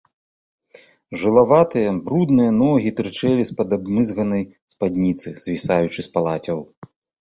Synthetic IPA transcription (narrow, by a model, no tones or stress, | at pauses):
ʐɨlˠavat̪ɨjɐbɾud̪nɨjɐnɔɣʲit̪ɾɨt͡ʂɛlʲispɐd̪abmɨzɣɐnɐj | spad̪ʲnʲit̪sɨzvʲisajut͡ʂɨspalˠat͡sʲɐw